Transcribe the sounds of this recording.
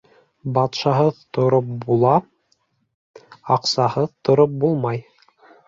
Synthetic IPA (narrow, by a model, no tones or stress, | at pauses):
bɑt̪ʃɑɦɤðt̪ŏɾop̚bulˠɑ | ɑqsɑhɤðt̪ŏɾop̚bulˠmɑj